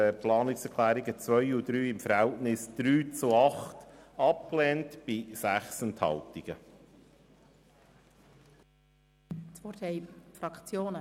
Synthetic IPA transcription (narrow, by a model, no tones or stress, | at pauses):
əplɑːnɪksɛɾkʰlæːɾiɡət͡sʋœʏjud̪ɾyːɪmfəɾhɛltnɪsd̪̥ɾyːt͡suɑχtɑp̚klɛːntb̥ɪsæχsɛnthɑ̰ltiɡ̥ə | t͡sfɔɾtʰɛɪfɾɑkt͡sjoːnə